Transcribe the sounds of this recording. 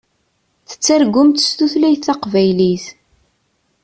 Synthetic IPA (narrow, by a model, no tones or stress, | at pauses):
θə̥t͡sːæɾɡʊmt̪st̪uθlæjθːɑqvæjliθ